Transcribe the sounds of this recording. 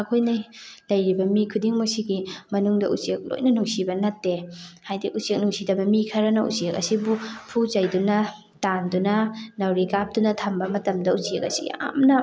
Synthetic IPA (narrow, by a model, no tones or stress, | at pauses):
ɐkʰojnɐlɐjɾibɐmikʰudiŋmɐsiɡimɐnuŋdɐṵt͡ʃiek̚lo̰jnɐnuŋsibɐnɐtːehajdiʔut͡ʃek̚nuŋsidɐbɐmikʰɐɾɐnɐṵt͡ʃiek̚ɐ̰sibupʰut͡ʃɐjdunɐ | tandunɐnɐwɾikap̚dunɐtʰɐmbɐmɐtɐmdɐut͡ʃiek̚ɐ̰sḭɡḭa̰mnɐ